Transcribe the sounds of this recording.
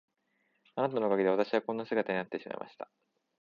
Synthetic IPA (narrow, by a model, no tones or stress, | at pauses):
anat̪ano̞kaɡʲid̪e̞at̪aɕiβakõ̞nːasɨɡat̪aɲinat̪ːe̞ɕima̰ḭmʔa̰ɕi̥t̪ḁ